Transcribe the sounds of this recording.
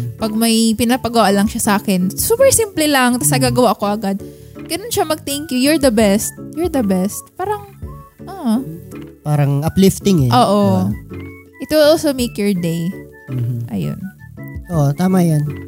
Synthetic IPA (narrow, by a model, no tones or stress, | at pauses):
pɐɡ̚mɐjpɪnapɐɡowalɐŋʃasɐʔaːkɪnsuːpɛɹsimplɪlɐŋt̪ɐsnɐɡaːɡɐwaʔɐko̞ʔɐɡad̪̚ | ɡ̥ɐnonʃamɐɡ̚t̪ɛŋkjʊjɔɹd̪ɐbɛst̪̚jɔɹd̪ɐbɛst̪̚paːɾɐŋʔaʔ | paːɾɐŋʔɐplɪft̪ɪŋɛʔoːʔo̞ | ʔɪt̪wɪlʔolsomejkjɔɹd̪ej | mm̩m̩ʔɐ̰jo̰nʔoʔt̪aːmajon